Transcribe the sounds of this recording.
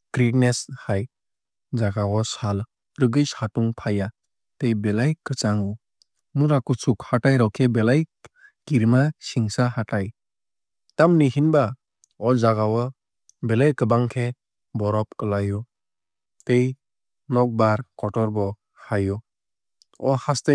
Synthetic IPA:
kɾik̚neshaj | zaɡawɔsal | ɾɯɡɯshatuŋpʰaja | tejbelajkɯt͡ʃaŋɔ | muɾakusukhatajɾawkʰebelaj | kiɾmasiŋsahataj | tamniɦinba | ɔzaɡawɔ | bɛlajkɯbaŋkʰe | bɔɾɔp̚kɯlajɔ | tej | nɔk̚baɾkɔtɔɾbɔ | hajɔ | ɔhaste

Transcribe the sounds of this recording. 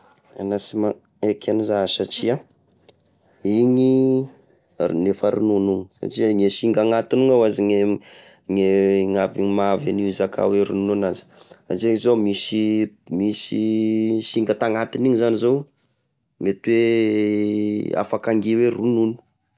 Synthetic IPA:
a̰nasima | ekʰanizasat͡ʃia | iɲi | nefəɾununuŋəsa̰ʈ͡ʂiaŋeʃiŋɡaŋat̪inuŋawaziŋe | ŋeŋaviimavaniizakʰa̰weɾunununazi̥a̰ʈ͡ʂeŋizomisimisiʃiŋɡət̪aŋat̪iniɲizanizow | met̪we | a̰fakaŋɡiwerununu̥

